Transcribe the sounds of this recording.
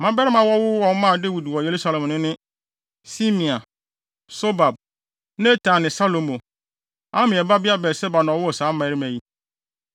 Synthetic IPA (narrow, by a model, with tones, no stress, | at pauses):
mã˦bɛ˦ɾɪ˦mã˨wɔ˦wʊ˦wɔ̃˨n˦mãː˦˨de˦wi˨dwɔ˨je˨ɾu˦sa˨lɛ̃˨mnʊ̃˦nɪ̃˦ | si˦mĩ˨a˨ | so˦ba˨b̚ | nẽ˦tʰã˨nɪ̃˨sa˦lõ˨mõ˨ | ã˦mɪ̃˨ɛ˨ba˦bɪ˦a˦bɛ˨sɛ˦ba˨nɔ̃˨wʊ˦ɔ˨sãː˨˦mã˨˦ɾi˦mæ̃˨ji˦